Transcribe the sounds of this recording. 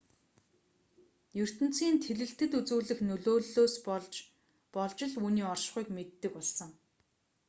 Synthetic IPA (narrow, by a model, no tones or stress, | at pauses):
jɵr̥t̪ɘ̆n̥t͡siːnt̪ʰeɮɘ̆ɬt̪ɘ̆t̪ut͡suːɮɘ̆xnɵɮoːɮoːs | pɔɮt͡ɕɪ̆ɮuːniːɔrʃχuiːkmet̪ːɘ̆kpɔɮsə̆ŋ